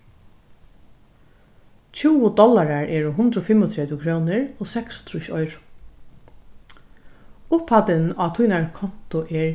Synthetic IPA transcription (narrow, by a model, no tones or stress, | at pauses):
t͡ʃʰuːwʊd̪ɔlaɾaɹɛːɹʊɦʊnd̪ɾɔfɪmɔt̪ʰɾɛt̪jʊkʰɾoːnɪɹoːsɛksʊ̥t̪ɾʊʃɔʏɾʊ | ʊphat̪ɪnaːt̪ʰujnaɹkʰɔn̥t̪ʊʔɛɹ